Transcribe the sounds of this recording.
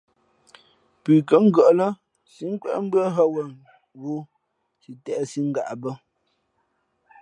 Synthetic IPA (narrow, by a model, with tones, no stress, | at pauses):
pʉ˨kə˨˦ŋ̩˦ɡə˨ʔlə˦ | si˦ŋ̩˦kwɛ̰˦ʔm̩˦bɰə˦ɦə˦wə˨ | ɣu˦ | si˨tɛ˨ʔsi˦ŋ̩˦ɡa̰˨ʔbə˦